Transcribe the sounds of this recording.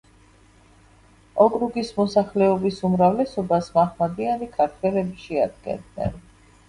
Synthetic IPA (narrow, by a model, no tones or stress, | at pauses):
ɔkʼɾuɡismɔsaχlɛɔbisumɾavlɛsɔbasmaχmad̪ianikʰaɾt̪ʰwɛlɛbiʃɛa̰d̪̚ɡɛ̰nd̪nɛ̰n